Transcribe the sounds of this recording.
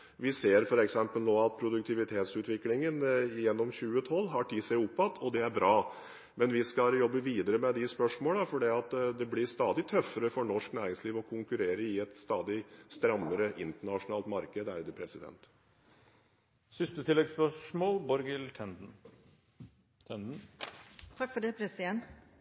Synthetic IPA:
ʋɪseːɾfɔɾɛksɛmpəlnoːɑt̪̚pʰɾʊd̪ʉk̚t̪ʰɪʋɪt̪ʰeːt̪sʉːt̪ʋɪklɪŋənɪjɛnːɔmɕʉːət̪ʰɔlːɦɑʈʰiːsæɪʊpːɑt̪ːʰɔd̪ɛæɾbɾɑː | mɛnʋɪskɑljɔbːəʋiːd̪əɾəmɛd̪ɪspœʂmoːləfɔɖiːɑt̪d̪ɛblɪɾst̪ɑːd̪ɪt̪ʰœfːəɾəfɔɳɔʂknæːɾɪŋsliːʋɔkʰʊŋkʉɾeːɾəɪɛt̪st̪ɑːd̪ɪst̪ɾɑmːəɾəʔɪnt̪əɳɑʂʊnɑːlt̪mɑɾkəd̪æ̰ɾd̪əpʰɾɛsɪd̪ɛ̰nt̪ | sʏst̪ət̪ʰɪlɛɡspœʂmoːlbɔɾɡɪlt̪ʰɛnd̪n̩ | ɛnd̪n̩ | t̪ʰɑkːfɔɖɛpʰɾɛsɪɛnt̪

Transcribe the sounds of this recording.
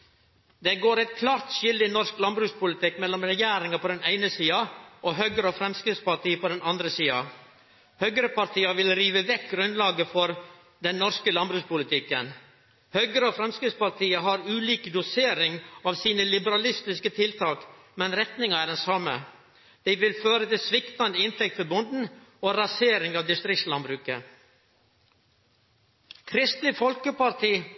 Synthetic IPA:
d̪ɛɡoːɾɛɪt̪̚kʰlɑːɾt̪ʃɪld̪ɪnɔsklɑnbɾʉːspʊlɪt̪ʰɪkːmɛlːɔmɾɛjæːɾɪŋɑpʰɔd̪ɛnæɪnəsiːɑʔɔɦœɡəɾəofɾɛmskɾɪt̪spɑʈiːəpʰɔd̪ɛnɑnd̪ɾəsiːɑ | hœɡəɾəpɑɾʈ̪ʰiːɑʋɪlɾiːʋəʋɛkɡɾʉnlɑːɡəfɔɾ | d̪ɛnnːɔɾskəlɑnbɾʉːspʊlɪt̪ʰɪkːən | hœɡəɾəɔfɾɛmskɾɪt̪spɑɾt̪ʰiːəɦɑɾʉːliːkd̪ʊseːɾɪŋɑʋsiːnəlɪbəɾɑlɪst̪ɪskət̪ʰɪlt̪ʰɑːk | mɛnɾɛt̪nɪŋɑæɖɛnsɑmə | d̪̥æɪʋɪlføːɾət̪ɪlsʋɪkt̪ɑnd̪əɪnt̪ʰɛk̚t̪fɔbʊnd̪n̩oːɾɑseːɾɪŋɑʋd̪ɪst̪ɾɪktlɑnbɾʉːkə | kʰɾɪst̪ɪfɔlkəpɑɾt̪ʰiː

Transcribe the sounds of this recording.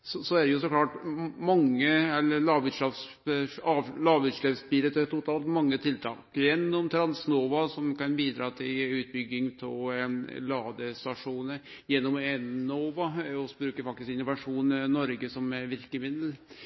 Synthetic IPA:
sɔsɔæɖɛjʊsɔklɑːʈmɑŋːəɛlːəɾlɑːʋʉt̪ʂɑs | ɑːʋlɑːʋʉt̪ʂleʋsbiːlət̪ʰɛt̪ʊt̪ʰɑːlt̪mɑŋːət̪ʰɪlt̪ʰɑ̰ːkjɛnːɔmt̪ʰɾɑnsnoːʋɑsɔmkɑnbiːd̪ɾɑːt̪ʰɪlʉːt̪̚bʏɡːɪŋt̪ʰɪllɑːd̪əst̪ɑʂuːnəɾjɛnːɔmɛnnoːʋɑɔsɔbɾʉːkəɾfɑk̚t̪ɪskɪnʊʋɑʂuːnnːɔɾɡəsɔmɛɾʋɪɾkəmɪd̪l

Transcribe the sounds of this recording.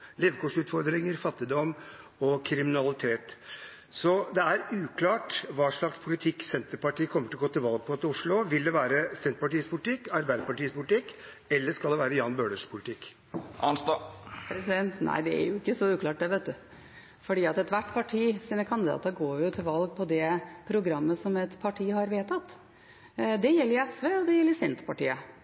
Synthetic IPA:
leːʋəkʰoːʂʉːt̪fɔɾd̪ɾɪŋəɾfɑt̪ːɪd̪ɔmː | ɔkʰɾɪmɪnɑlɪt̪ʰeːt̪ | sɔd̪ɛæɾʉːkʰlɑːʈʋɑːʂɭɑkspʰʊlɪt̪ʰɪkːsɛnt̪əɾpɑʈʰiːəkʰɔmːəʈʰɪlɔɡoːt̪ɪlʋɑlɡ̚pʰɔt̪ɪʊʂlʊʋɪld̪ɛʋæːɾəsɛnt̪əpɑʈiːəspʰʊlɪt̪ʰɪkːɑɾbæɪd̪əɾpɑʈiːəspʰʊlɪt̪ʰɪkː | ɛlːəʂkɑld̪ɛʋæːɾəjɑːnbøːɖəʂpʰʊlɪt̪ʰɪkː | ʔɑnst̪ɑpʰɾɛsɪd̪ɛnt̪nʔæ̰ɪd̪ɛæ̰ɾjʊɪkːəsɔʉːkʰlɑːʈ̚d̪ɛʋeːt̪̚d̪ʉ | fɔɖiːɑt̪ɛt̪ʋæʈːpʰɑʈʰiːsiːnəkʰɑnd̪ɪd̪ɑ̰ːt̪əɾɡoːɾjʊt̪ʰɪlʋɑlɡ̚pʰɔd̪ɛpʰɾʊɡɾɑmːəsɔmɛt̪pʰɑʈʰiːəhɑɾʋeːt̪ʰɑt̪ː | d̪ɛjɛlːəɾɛsʋeːɔd̪ɛjɛlːəɾsɛnt̪pɑʈiːə

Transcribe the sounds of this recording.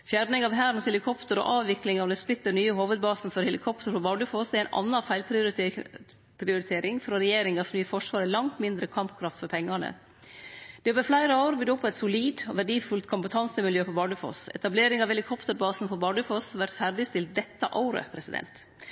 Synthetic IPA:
fjæɾɳnɪŋɑʋɦæːɾnshɛlɪkʰɔpt̪əɾɔ̰ːʔɑːʋʋɪklɪŋɑʋd̪ɛsplɪt̪ːəɾnyːəɦoːʋəd̪̚bɑːsn̩fɔɾhɛlɪkʰɔpt̪əɾpɔbɑːɖʉfɔsɛɪnʔɑ̰nːɑfæɪlpʰɪ | pʰɾɪʊɾɪt̪ʰeːɾɪŋfɾɔɾɛjeːɾɪŋɑsmnyːəfɔʂʋɑːɾəlɑŋt̪mɪnd̪ɾəkʰɑmpkʰɾɑft̪fɔɾpʰɛŋːɑnə̰ | d̪̥ɛbɛflæɪɾəoːʊɾbyd̪ɔpʰːɔɛt̪sʊliːd̪ɔ̰ʋæɖiːfʉlt̪kʰʊmpət̪ʰɑnsəmɪljøːpʰɔbɑɖʉfɔ̰sɛ̰t̪ɑbleːɾɪŋɑʋhɛlɪkʰɔpt̪əɾbɑːsn̩fɔɾbɑɖʉfɔsʋæɾt̪fæɾɖ̪ɪst̪ɪl̚d̪ɛt̪ːəʔɑʊɾə̰pʰɾɛsɪd̪ɛ̰nt̪

